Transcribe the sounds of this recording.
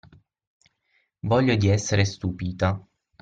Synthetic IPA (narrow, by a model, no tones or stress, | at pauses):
vɔʎːod̪iɛsːeɾest̪upiːt̪a